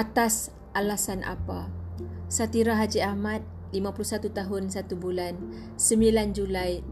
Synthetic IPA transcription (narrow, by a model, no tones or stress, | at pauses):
ʔat̪as | ʔalasanʔa̰pa | sat̪iɾaɦad͡ʒiahmat̪̚ | limãpulusat̪ut̪aɦʊnsat̪ubulan | səmbiland͡ʒulaj